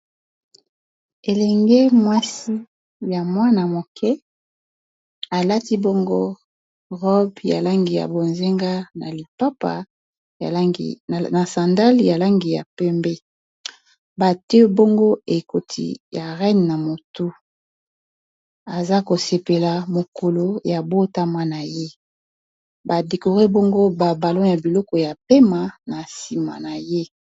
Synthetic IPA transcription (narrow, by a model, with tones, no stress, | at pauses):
e˨lɛ˨ŋɡe˦mwa˦si˦ | ja˨mwa˦na˨mo˨kʰɛ˦ | a˨la˦ti˦bo˦ŋɡo˦ | ʁɔ˦bja̰˨la˦ŋɡi˨ja̰˨bo˨nze˦ŋɡa˦na̰˨li˨pa˦pa̰˨˦˨ | na˨sã˨nda˦lja˨la˦ŋɡi˨ja˨pɛ˦mbɛ˦ | ba˨te˦bo˦ŋɡo˦e˨ko˨tʰḭ˨ja˨ʁɛ˦n˨na˨mo˨tu˦ | a˨za˦ko˨se˨pe˨la˨mo˨ko˨lo˨ja˨bo˦ta˦ma˦na˨je˦ | ba˨de˨ko˨ʁe˦bo˦ŋɡo˦ba˨ba˨lo˦ja˨bi˨lɔ˦kɔ˨ja˨pe˦ma˨na˨si˨ma̰˨na˨je˦